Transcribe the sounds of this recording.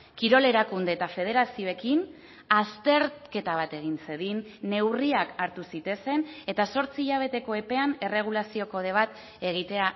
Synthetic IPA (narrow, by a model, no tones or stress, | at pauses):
kiɾo̞le̞ɾakund̪e̞ːt̪afe̞ð̞e̞ɾasio̞e̞kin | ast̪e̞ɾke̞t̪aβ̞at̪e̞ɣ̞inse̞ðinːe̞wriakaɾt̪usit̪ese̞ne̞t̪aso̞ɾt͡siːʎaβ̞e̞t̪e̞ko̞e̞pe̞ane̞re̞ɣ̞ulasio̞ko̞ð̞e̞β̞at̪ | e̞ɣ̞it̪e̞a